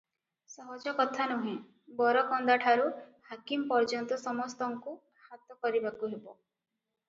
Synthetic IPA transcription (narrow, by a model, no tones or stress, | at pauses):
sɔɦɔd͡ʒɔkɔt̪ʰanuɦĩ | bɔɾɔkɔnd̪aʈʰaɾuhakimpɔɾd͡ʒɔnt̪ɔsɔmɔst̪ɔŋku | hat̪ɔkɔɾibakuɦebɔ